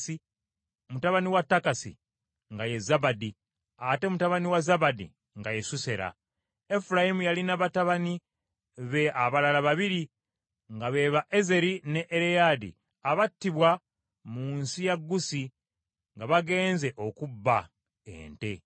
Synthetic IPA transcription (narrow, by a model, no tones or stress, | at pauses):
i | mutaβaniwatːakasḭ | ŋɡaje̞zabadi | ate̞mutaβaniwazaβadḭ | ŋɡajesuse̞ɾa̰ | efuɾajimujalinaβataβani | βe̞aβalalaβaβiɾi | ŋɡaβe̞ːβaʔeze̞ɾine̞ʔːɾejadḭ | aβatːiβwa | muːnsijaɡːusi | ŋɡaβaɡe̞ːnze̞ʔo̞kubːa | ḛːnte̞